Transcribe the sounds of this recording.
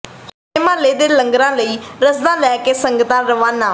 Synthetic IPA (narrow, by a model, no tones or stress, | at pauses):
s | eːmãːleːd̪eːləŋɡɾãːləiːɾəsd̪ãːlɛːkeːsəŋɡt̪ãːɾəʋãːnãː